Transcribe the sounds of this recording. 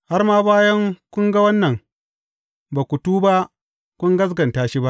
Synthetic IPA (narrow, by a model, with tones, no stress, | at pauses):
ha˦rmaː˦baː˦jɐ˦ŋkʷʊ˦ŋɡa˦wɐ˦nːɐ˨ŋ | baː˨kʷu˨tuː˦ba˦ʔ | kʷʊ˦ŋɡɐ˦s̬ɡɐ˨ntaː˦ʃi˦ba˦ʔ